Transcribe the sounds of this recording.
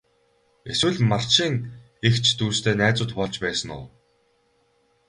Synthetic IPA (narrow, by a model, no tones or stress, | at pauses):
eswɘ̆ɮmar̥ʃiːŋ | ext͡ɕʰt̪uːst̪ʰeːnæːt͡sʊːt̪pɔɮt͡ɕpæːsə̆nʊ̰ː